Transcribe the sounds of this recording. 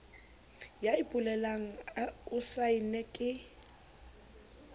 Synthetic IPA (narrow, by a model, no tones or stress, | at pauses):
jaɪpʼʊlɛlaŋ̩aʊsainɛkʼɪ